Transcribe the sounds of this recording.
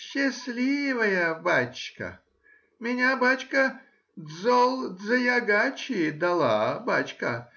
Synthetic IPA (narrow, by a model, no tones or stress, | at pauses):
ɕːɪsʲlʲivəjəbat͡ɕkə̰ | mʲɪnʲabat͡ɕkə | d̪zolˠd̪zɐjɐɡat͡ɕɪd̪ɐlˠa̰bat͡ɕkə